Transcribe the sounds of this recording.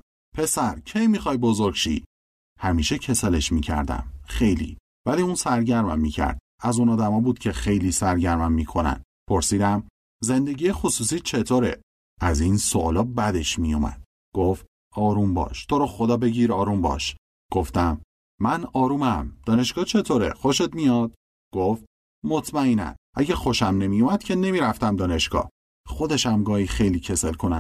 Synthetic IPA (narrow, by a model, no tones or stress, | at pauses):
pʰe̞sæɾcʰe̞jmixɒːjbo̞zoɾɡʃḭ | hæmiːʃecʰe̞sɑle̞ʃmiːcʰæ̰ɾd̪æ̰mxe̞jlḭː | væliːunsæɾɟæɾmæ̰mːiːcʰæ̰ɾd̪̥̚ | æzunɒːd̪æmɒːbuːd̪̥̚cʲʰe̞xe̞jliːsæɾɟæɾmæmːiːkʰo̞næ̰nd̪ | pʰo̞ɾsiːd̪æm | ze̞nd̪e̞ɟijexosuːsiːt͡ʃʰe̞t̪ʰoːɾḛ | ʔæzinsoʔlɒːbæd̪e̞ʃmijumæ̰d̪̥̚ | ɡ̥o̞ft̪ | ɒːɾuːmbɒ̰ːʃt̪ʰo̞ɾɒːxod̪ɒːbe̞ɟiːɾɒːɾumbɒ̰ːʃ | ɡ̥o̞ft̪æmː | ænɒːɾuːmæmd̪̥ɒːne̞ʃɡ̥ɒːt͡ʃʰe̞t̪ʰoːɾḛxoʃe̞t̪mijɒːd̪̥̚ | ɡ̥oft̪ | mot̪ʰmæinæ̰nʔæɟexo̞ʃæmne̞mijumæd̪̥cʰe̞ne̞miːɾæft̪æmd̪ɒːne̞ʃɡɒ̰ː | xo̞d̪e̞ʃæmɡɒːhixe̞jliːcʰe̞se̞lkʰo̞næ